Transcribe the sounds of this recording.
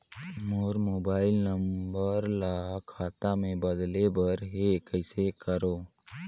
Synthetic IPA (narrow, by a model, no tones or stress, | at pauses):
moɾmoːbaːɪlnəmbəɾlakʰaːt̪amẽbəd̪lebəɾɦekəɪsekəɾoː